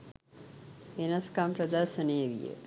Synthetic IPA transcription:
ʋenɐskampɾɐd̪ɐɾsəneːʋḭjə̰

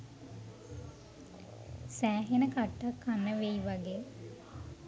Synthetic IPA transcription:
sæːɦenəkaʈːakːanːəʋeiʋaɡeː

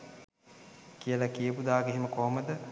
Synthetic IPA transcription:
kijəlakiəpud̪aːɡeɦiməkoːməd̪ə

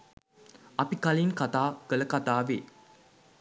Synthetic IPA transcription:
ɐpikaliŋkat̪aːkələkat̪aːʋḛː

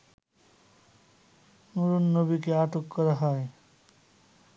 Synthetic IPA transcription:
nuɾunːobikeaʈokːɔɾaɦɔe

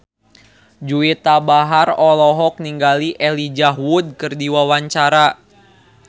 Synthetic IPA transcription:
d͡ʒuit̪abaɦarɔlɔɦɔk̚niŋɡaliʔɛlid͡ʒaɦwud̚kərdiwawaɲt͡ʃaɾa

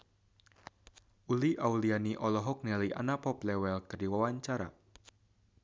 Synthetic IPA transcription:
ʔuliʔaulianiʔɔlɔɦɔk̚nɛliʔa̰napɔplɛwɛlkərdiwawaɲt͡ʃaɾa̰

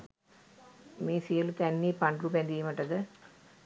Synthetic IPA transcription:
meːsijəlut̪ænːiːpaɳɖruːp̬ejand̪ijməʈəd̪ə

